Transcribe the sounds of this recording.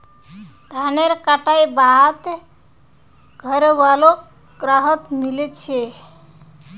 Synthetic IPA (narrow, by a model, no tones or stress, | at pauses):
d̪ʱaneɾkaʈajbat̪ | ɡʱəɾewalo | ɡ̥ɾaɦət̪milet͡ʃʰe